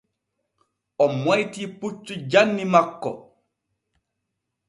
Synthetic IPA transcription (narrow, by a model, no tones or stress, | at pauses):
ʔɔmɔjtiːput͡ʃːud͡ʒanːimakːɔ̰